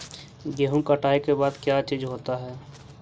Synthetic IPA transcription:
ɡeɦũkəʈaːekebaːd̪kjat͡ʃiːd͡ʒɦoːt̪aɦɛː

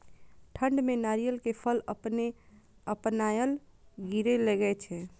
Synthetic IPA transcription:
ʈʰəɳɖmenaɾijəlkepʰələpne | əpnajəl | ɡiɾeleɡəɛt͡ʃʰɛ

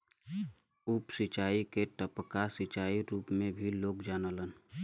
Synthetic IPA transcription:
upsɪt͡ʃaːikeʈəpkasit͡ʃaːiɾuːpmẽbʱiloːkd͡ʒaːnələn

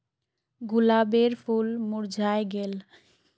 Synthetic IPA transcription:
ɡulabeɾpʰulmuɾd͡ʒʱaeɡel

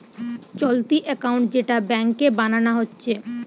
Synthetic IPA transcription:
t͡ɕolt̪iʔɛkawɳʈd͡ʑeʈabɛŋkebananaɦotːɕʰe

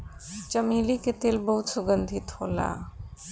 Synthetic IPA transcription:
t͡ʃəmiliket̪elbəɦut̪suɡənd̪ʱit̪hola̰

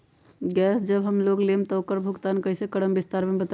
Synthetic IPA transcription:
ɡɛsd͡ʒəbɦəmloɡlemt̪əokəɾbʱuɡt̪ankəɦisekəɽəmbist̪aɾmebət̪

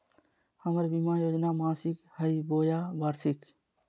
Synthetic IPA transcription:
hɐmɐɾbimaːjoːd͡ʒnaːmãːsikhɐiboːjaːbɐɾsik

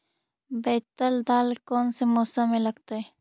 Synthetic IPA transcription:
beːt̪əld̪aːlkoːnsemoːsamẽləɡt̪aɛ

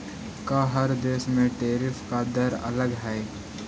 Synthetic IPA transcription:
kaɦɐɾd̪eːʃmẽʈeːɾɪfkad̪ɐɾɐ̰ləɡɦɛː

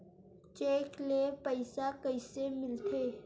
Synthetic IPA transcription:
t͡ʃeːklepəɪsakəɪsemɪlt̪ʰeː

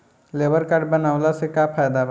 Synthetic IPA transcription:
leːʋəɾkaɖ̚bənaːʋlasekapʰaːjd̪aʋ

